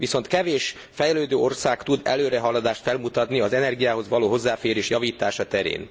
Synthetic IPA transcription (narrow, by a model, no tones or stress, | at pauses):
ʋiso̞nt̪kɛveːʃ | fɛjɛløːd̪øːo̞rsaːkt̪ud̪ɛ̰løːɾɛɦɒlːɒd̪aːʃt̪fɛlmut̪ɒt̪niɒzɛnɛrɡijaːɦo̞zʋɒloːɦo̞zːaːfeːɾeːʃjɒviːt̪aːʃɒt̪ɛɾḛːn